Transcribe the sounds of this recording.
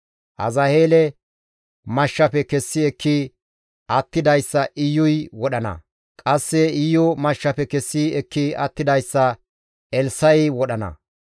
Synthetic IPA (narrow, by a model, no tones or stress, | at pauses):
ʔɐ̰zɐheːlɛ | mɐʃːɐpɛkɛsːɪɛkʰːi | ʔɐt̪ːɪd̪ɐjsːɐʔɪjːʊjwɔɗɐnɐ̰ | kʼɐsːɛɪjːɔmɐʃːɐpɛkɛsːɪɛkːiɐt̪ːɪd̪ɐjsːɐ | ɛlsɐjwɔɗɐnɐ̰